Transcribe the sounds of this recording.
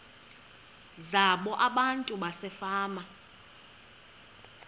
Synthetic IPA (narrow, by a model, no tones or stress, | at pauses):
zaɓɔʔaɓantʼuɓasɛfaːma